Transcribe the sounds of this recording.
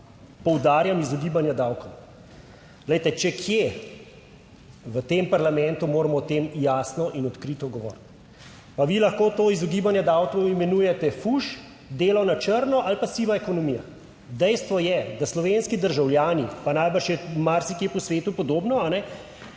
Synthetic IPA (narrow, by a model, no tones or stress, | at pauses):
pɔwd̪aːɾjamizɔɡiːbanjad̪awkɔw | ɡləjt̪ɛt͡ʃɛkʰje | ʋət̪eːmpaɾlamɛ̃nt̪umoːɾamɔt̪emjaːsnɔʔinɔt̪kɾit̪ɔɡɔʋɔ̰ːɾt̪ | paʋilaxkoːt̪oːizɔɡiːbanjad̪awkɔwimɛnuːjɛt̪ɛfuʃ | d̪eːlawnat͡ʃəɾnɔʔalpasiʋaɛkɔnɔmiːja̰ | d̪ɛjst̪ʋɔjɛd̪aslɔʋenskid̪əɾʒawljaːnipanajbəɾʃjɛmaɾsikjepɔsʋeːt̪upɔd̪oːbnɔanɛ